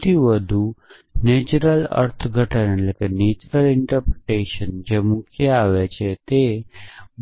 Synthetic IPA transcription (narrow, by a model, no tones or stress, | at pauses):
t̪iʋəd̪ʱu | neːt͡ʃɾəlɐ̰ɾt̪ʰɡʱəʈənlekeneːt͡ʃɾəlɪ̃ɳʈəɾpɾɪʈeːʃənd͡ʒemʊ̃kʰjəaːʋet͡ʃʰet̪e